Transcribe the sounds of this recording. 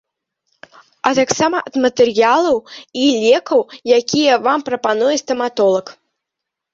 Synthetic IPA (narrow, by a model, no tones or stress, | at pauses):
ɐt̪aksamɐʔɐd̪mɐt̪ɛrjalˠɐwilʲɛkɐwjakʲʰijɐvampɾɐpanujɛst̪ɐmat̪ɔlˠɐk